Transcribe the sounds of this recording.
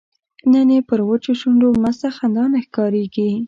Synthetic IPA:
nənepəɾwət͡ʃoʃuɳɖomazsaxand̪ɑnexkɑɾeɡi

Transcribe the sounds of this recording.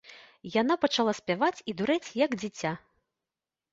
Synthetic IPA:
jan̪apɐt͡ʂalˠasʲpʲavat͡sʲid̪uɾɛt͡sʲjɐɡd͡zʲit͡sʲa

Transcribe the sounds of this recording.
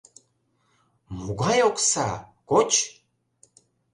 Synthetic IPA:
muɡʷajokʷʼsa̰kʷot͡ʃʰ

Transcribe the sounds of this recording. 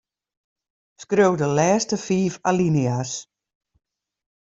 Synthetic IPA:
skrøwdəlɛːstəfiːfalinias

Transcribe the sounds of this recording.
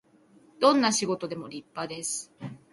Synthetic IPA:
d̪̥õ̞nːaɕiɡo̞t̪o̞d̪e̞mo̞ɾʲipːad̪e̞sɨ̥

